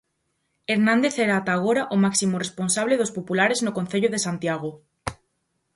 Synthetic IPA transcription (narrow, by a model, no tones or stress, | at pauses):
eɾnãnd̪eθeɾaːt̪aːɣoɾaʔomaksimoresponsaβleðospopulaɾeznokonθeʎoðesant̪jaɣ̞o